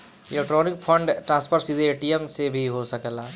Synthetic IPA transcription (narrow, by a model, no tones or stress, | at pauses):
elek̚ʈɾonik̚pʰəɳɖʈɾãnspʰəɾsid̪ieʈiemsebʱiɦosəkɛla